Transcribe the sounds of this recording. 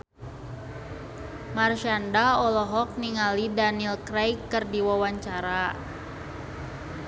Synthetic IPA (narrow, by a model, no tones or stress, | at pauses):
marʃandaɔlɔɦɔk̚niŋalidanilkɾajkːɨrdiwawaɲt͡ʃaɾa